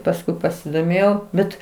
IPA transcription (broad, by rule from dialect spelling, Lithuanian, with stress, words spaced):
pɐsˈkʊɪ pɐsʲɪdoːˈmʲeːjɛʊ ˈbʲɛt